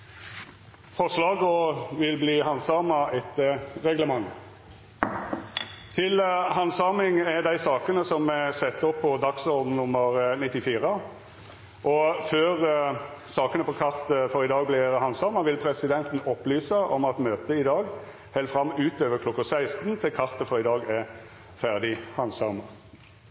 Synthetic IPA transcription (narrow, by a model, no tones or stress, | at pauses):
fɔslɑːɡɔʋɪlbliːɦɑnsɑːmɑɛt̪əʁɛɡləmɑŋ | t̪ʰɪlɦɑnsɑːmɪŋɛd̪æɪsɑːkənəsɔmɛsɛt̪ːɔpʰːɔd̪ɑksɔɾd̪n̩nʊmːəʁnɪt̪ːɪfiːɾə | ʔɔføːʁsɑːkənəpʰɔkʰɑɾt̪əfɔʁɪd̪ɑːɡ̚blɪɾhɑnsɑːʁməʋɪlpʰɾɛsɪd̪ɛnt̪n̩ɔpːlyːsəʔɔmɑt̪møːt̪əɪd̪ɑːɡ | hæɪlfɾɑmːʉːt̪øːʋəɾkʰlɔkːɑsæɪst̪nt̪ʰɪlkʰɑʁt̪əfɔɾɪd̪ɑːɡɛ | fæʁd̪ɪhɑnsɑʁməʁ